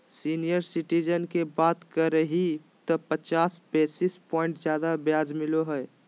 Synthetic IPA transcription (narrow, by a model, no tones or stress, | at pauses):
siːnijəɾsɪʈid͡ʒənkebaːt̪kəɾəɦi | t̪ɔpət͡ʃaːspeːsispɔ̃ːɪ̃ɳʈzjaːd̪abjaːd͡ʒmɪloɦɛ